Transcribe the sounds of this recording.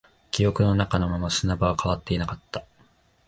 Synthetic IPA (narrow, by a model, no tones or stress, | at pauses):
kʲijo̞kɯ̟no̞nakano̞mamasɨnabaβakʰaβ̞at̪ːe̞inakat̪ːa